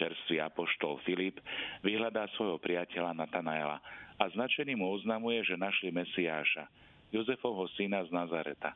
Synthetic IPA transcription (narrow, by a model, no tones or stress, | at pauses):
t͡ʃɛɾst̪ʋia̰pɔʃt̪ɔlfilipʋiɦlad̪aːsʋɔjɦɔpɾɪacɛlanat̪anaɛla̰aznat͡ʃɛniːmuɔznamujɛʒɛnaʃlimɛsiaːʃa̰ | jɔzɛfɔʊɦɔsinaznazaɾɛt̪a